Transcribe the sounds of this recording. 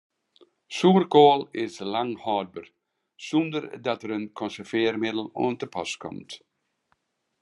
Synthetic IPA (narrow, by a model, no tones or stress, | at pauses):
suːrkoːlˠɪslaŋhɔːd̚bər | sundəɾdɔtəɾənkʰɔnsəfeːɾmɪdl̩ˠo̰ːntəpʰɔ̰skʰɔ̰mt